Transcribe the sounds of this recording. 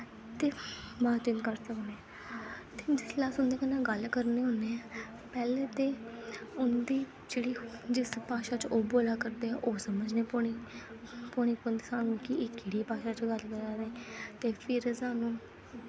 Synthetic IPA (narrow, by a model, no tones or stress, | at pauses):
t̪eːmaːt̪ɪnkəɾsəkneː | t̪eːd͡ʒɪslaːsʊnd̪eːkənãːɡəlkəɾneːɦõːneːɛː | pɛːleːt̪eːʊnd̪iː | d͡ʒeːɽiːd͡ʒɪspaːʃaːt͡ʃoːboːlaːkəɾd̪eːɛ̃ʔoːsəməd͡ʒneːpoi | poñiːkʊnd̪saːnũːkɪɪkːiːɽiːpaːʃaːt͡ʃɡəlkəɾaːɾeːt̪eːpʰɪɾsaːnũː